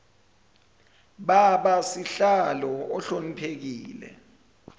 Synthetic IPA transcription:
ɓaɓasiɬalɔɔɬonipʰek̬iːlɛ̰

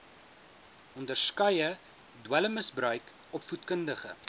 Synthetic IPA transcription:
ʔɔndərskœjə | dwələməsbrœɥk | ɔpfutkəndəχə̰

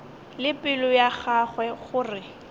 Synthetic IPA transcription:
lɪpʼɪlʊjaχaχwɛχʊːrɪ

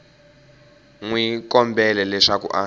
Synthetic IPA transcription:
ŋwikɔmbɛlɛlɛʂakṵʔa

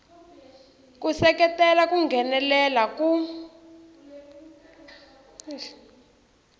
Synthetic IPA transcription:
kusɛkɛtɛlakuŋɡʱɛnɛlɛlaku

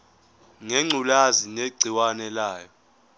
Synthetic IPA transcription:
ŋeŋ͡ǀʱulazineɡ͡ǀʱiwanɛlaːjɔ

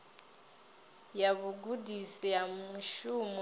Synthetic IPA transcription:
jaβuɡudisijamuʃumɔ

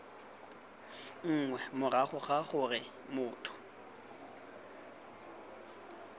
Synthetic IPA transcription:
ŋ̩ːŋwɛmʊraχʊχaχʊrɪ | mʊːtʰʼʊ̥

